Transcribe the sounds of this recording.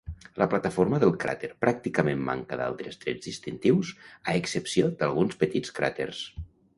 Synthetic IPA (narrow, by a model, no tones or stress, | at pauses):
lʔəplat̪əfoɾməðəlˠkɾa̰t̪eɾpɾak̚t̪ikəmemːa̰ŋkəða̰lˠt̪ɾəst̪ɾɛ̰d͡zðist̪int̪iwsaəksəpsiod̪əlˠɣunspət̪it͡skɾa̰t̪ḛrs